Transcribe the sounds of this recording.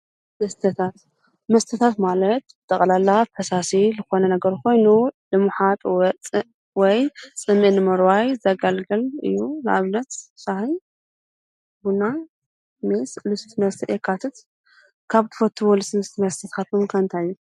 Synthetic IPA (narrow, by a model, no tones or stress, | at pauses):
mɐst̪ʰɐt̪ʰat̪ | mɐst̪ʰɐt̪ʰat̪malɐt̪bɨt̪ʼɐkʼlalːafʰɐsasilɨxo̞nɐnɐɡɐɾkʰo̞jnulɨmɨħat̪ʼwɐt͡sʼɨ | wɔjsʼɨmːinɨmɐɾwajzaɡalɡɐlɨ̰jːunɨ̰ʔaβnɐt̪sahij | buna | meslust̪nɐst̪ʰɐʔekʰːat̪ʰɨt̪ | kʰaβt̪ʰɨ̥fɐt̪ʰːuwolusɨmɨst̪ʰmɐst̪ʰit̪kʰat̪omkʰaɨnt̪ʰajːu